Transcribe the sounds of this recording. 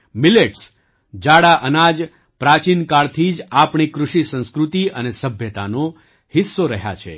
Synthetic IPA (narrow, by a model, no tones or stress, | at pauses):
mileʈs | d͡ʒaɽaʔənad͡ʒ | pɾat͡ʃinkaɭt̪ʰid͡ʒapɳikɾʊʃisə̃nskɾut̪iənesəbʱjət̪a̰no | hisːoɾəɦja̰t͡ʃʰḛ